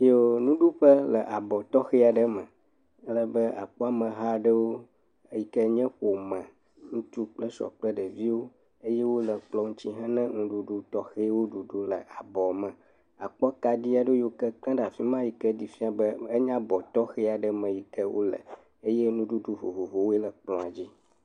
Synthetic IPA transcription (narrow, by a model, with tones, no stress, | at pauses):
i˦o˨nũ˦ɖu˦ɸə˦lə˨ʔa˨bɔ˨t̪ɔ˦xɛ˦a˨ɖə˦mə̃˨ | ə˦lə˨bə˦a̰˨k͡pɔ˦a˨mə̃˨ɦa˦ɖə˦wo˦ | ji˨kə˦ɲɛ̃˦ɸo˨mã˨ | ŋũ˦t̪u˦k͡plə˦ʃɔ̰˨k͡plə˦ɖə˨vi˦wo˦ | e˦je˦wo˦lə˨k͡plɔ˦ŋũ˦t͡ɕi˦ɦã˦nɛ̃˦ŋũ˦ɖu˨ɖu˦t̪ɔ˦xe˦wo˦ɖu˨ɖu˦lə̰˨ʔa˨bɔ˨mə̃˨ | a˨k͡pɔ˦ka˨ɖi˦a˨ɖo˦jo˦kə˦kl̃ã˦ɖa˨fi˦mã˦ji˨kɛ˦di˨fi˦a˨bə˦ə˦ɲã˦bɔ˨t̪ɔ˦xɛ˦a˨ɖə˦mə̃˨ji˨kə˦wʔo̰˦lə̰˨ | e˦je˦nũ˦ɖu˦ɖu˦vo˨vo˨vo˨wo˦e˦lə˨k͡plɔ̃˨a˨d͡ʑi˦